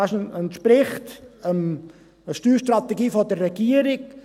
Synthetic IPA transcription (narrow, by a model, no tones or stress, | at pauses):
aʃnəntʃpɾɪχtəm | əʃtyːʃtɾɑt̪ɛɡiːfɔdərːɛɡiəɾɪk